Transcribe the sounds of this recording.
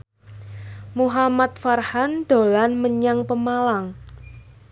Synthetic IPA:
muɦamat̪̚farhand̪̥o̤lanməɲaŋpəmalaŋ

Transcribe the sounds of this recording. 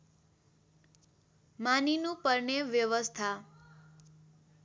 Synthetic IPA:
maninũpəɾɳeʋjəʋəst̪ʰa

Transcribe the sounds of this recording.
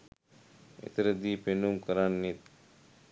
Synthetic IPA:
ḛt̪əɾəd̪iːpenumkəɾanːet̪̚

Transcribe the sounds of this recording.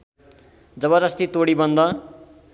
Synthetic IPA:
d͡zʌbʌd͡zʌst̪it̪oɽibʌnd̪ʌ

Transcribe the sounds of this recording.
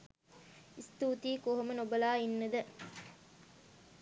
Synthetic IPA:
ist̪uːt̪iːkoɦomənobɐlaːinːɐd̪ɐ

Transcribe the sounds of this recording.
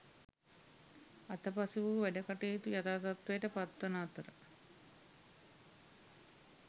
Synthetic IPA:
ɐt̪ɐpɐsiʋuʋɛɖɐkɐʈeːt̪ujɐt̪aːt̪ɐt̪ʋejʈəpat̪wɐnaːt̪ɐɾə

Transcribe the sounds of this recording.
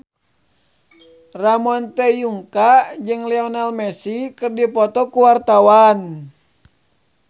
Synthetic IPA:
ramɔnt̪ɛjuŋkad͡ʒɨŋlɛɔnalmɛsikɨrdipɔt̪ɔkuwart̪awan

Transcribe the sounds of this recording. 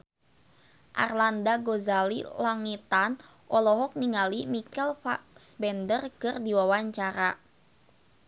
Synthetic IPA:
ʔa̰rlandaɡozalḭlaŋit̪an | ʔɔlɔɦɔk̚niŋalimikɛlfasbɛndərkɨrdiwawaɲt͡ʃaɾa

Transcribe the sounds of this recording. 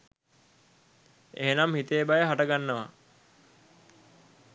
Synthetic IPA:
ḛɦenamhit̪eːbajəɦaʈəɡanːəʋa̰

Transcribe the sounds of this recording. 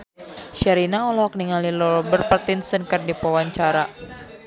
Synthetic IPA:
ʃaɾinaɔlɔɔkniŋalilɔbərpət̪insənkɨrdipɔwaɲt͡ʃaɾa

